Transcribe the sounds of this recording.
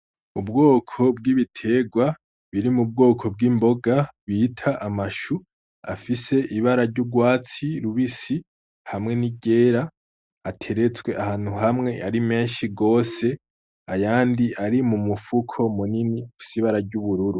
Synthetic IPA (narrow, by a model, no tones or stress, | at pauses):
ub̚ɡo̞ːkʰo̞bɡiβitʰe̞ɡwa | βiɾimub̚ɡo̞ːkʰo̞b̚ɡiːmbo̞ɡaβiːtʰaʔamaʃu | a̰fise̞ʔiβaɾaɾɟuɡwaːt͡siɾuβisi | hamŋe̞niɟe̞ːɾaː | tʰe̞ɾe̞t͡swe̞ʔahaːn̥huɦamŋe̞aɾime̞ːnʃiɡo̞ːse̞ | ajaːndiaɾimumufukʰo̞muniniafi̥siːβaɾaɾɟuβuɾuɾu